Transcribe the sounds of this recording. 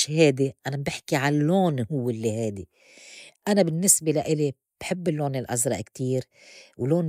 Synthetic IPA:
ʃheːd̪iʔanabɪħkiʕalːoːnhʊwːɪlːihaːd̪i | ʔanabɪnːɪsbelaʔɪli | b̥ħɪbːɪlːoːnɪlʔa̰zɾˤɑ̰ʔkt̪iːɾ | wloːn

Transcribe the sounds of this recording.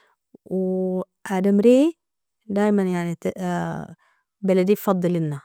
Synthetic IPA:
w | ʕad̪amɾeː | d̪aːjmanjaʕnit̪ | balad̪ijfɑd̪ˤːɨlʔɪnːa

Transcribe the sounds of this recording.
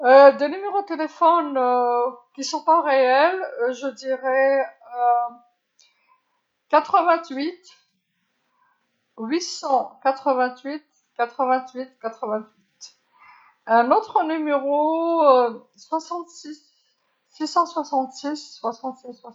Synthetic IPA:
ød̪enymeʁod̪̚t̪elefɔnøkʲisɔ̃paʁeɛlʒəd̪iʁɛø | kat̪χəvɛ̃t̪ɥit̪ | ɥisɑ̃kat̪χəvɛ̃t̪ɥit̪ | kat̪χəvɛ̃t̪ɥit̪̚kat̪χəvɛ̃t̪ɥit̪ | ɛ̃not̪χənymeʁoø | swasɑ̃t̪sisː | isɑ̃swasɑ̃t̪sisːwasɑ̃t̪siswa

